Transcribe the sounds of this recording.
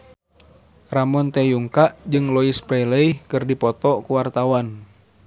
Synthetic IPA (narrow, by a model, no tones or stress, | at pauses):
ramɔnt̪ɛjuŋkaʔd͡ʒɨŋlɔispɾɛiləikɨrdipɔt̪ɔkuwart̪awan